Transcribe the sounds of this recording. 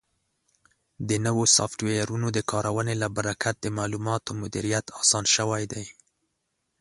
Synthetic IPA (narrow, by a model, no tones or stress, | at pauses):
d̪ənəwosɑ̰fʈwejaɾunod̪əkʰɑɾʔawənelabaɾakat̪̚d̪əmɑːlumɑt̪omʊd̪iɾijat̪ɑsɑnʃəwajd̪aj